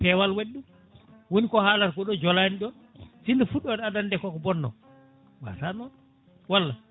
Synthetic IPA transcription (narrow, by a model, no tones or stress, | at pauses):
pɛwalwaɗːum | wonikɔhaːlaɾkɔɗɔd͡ʒɔlaːniɗɔn | sindɔfuɗɔɗadandɛkɔkɔbɔnːɔ̰ | wa̰tanɔɗ | walːa